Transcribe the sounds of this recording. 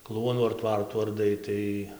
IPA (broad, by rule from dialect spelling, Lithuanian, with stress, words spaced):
ˈklˠuɔnuː ɐr ˈtʋɐrtuː ɐrˈdɐɪ ˈtɐɪ